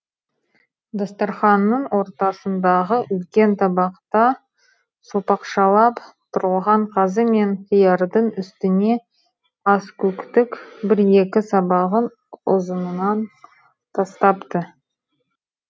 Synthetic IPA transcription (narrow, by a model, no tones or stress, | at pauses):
d̪ɑst̪ɑɾχɑnːəɴwo̞ɾt̪ɑsənd̪ɑʁəʔʏlkʲe̞nt̪ʰɑbɑqt̪ɑ | sopɑqʃɑlˠɑpt̪ʰʊɾʁəlˠʁɑɴqʰɑzəme̞nqʰijɑɾd̪əɴʏst̪ɪne̞ | ɑskʲʰɵkt̪ɪkbɪɾje̞kʲɪsɑbɑʁən | ʊzənənɑn | t̪ʰɑst̪ɑpt̪ə